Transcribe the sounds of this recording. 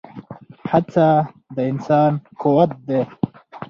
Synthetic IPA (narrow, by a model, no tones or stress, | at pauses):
hat͡sa | d̪əɪnsɑːnkuwat̪̚d̪e